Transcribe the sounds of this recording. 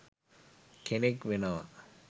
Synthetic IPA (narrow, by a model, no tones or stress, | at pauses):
kʰenekʋenɐʋɐ̰